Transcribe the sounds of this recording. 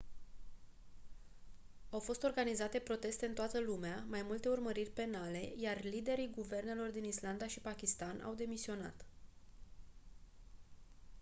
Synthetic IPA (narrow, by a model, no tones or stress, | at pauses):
awfo̞st̪o̞rɡanizat̪e̞pɾo̞t̪e̞st̪e̞ɨnt̪oat̪əlumeamajmult̪e̞urməɾirʲpe̞nale̞jarlid̪e̞ɾiɡuve̞rne̞lo̞rd̪inisland̪aʃipakʲist̪anʔa̰wd̪e̞misio̞na̰t̪